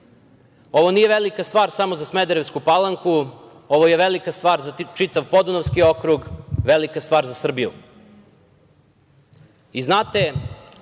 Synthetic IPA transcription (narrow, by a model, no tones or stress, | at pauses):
o̞ʋo̞nije̞ʋelikast̪ʋaːɾsamozasmed̪eɾeʋskupalaŋku | o̞ʋoje̞ʋelikast̪ʋaːɾzat͡ʃit̪aʋpo̞d̪unoʋskio̞kɾuɡʋelikast̪ʋaːɾzasr̩bijṵ | iznaːt̪e̞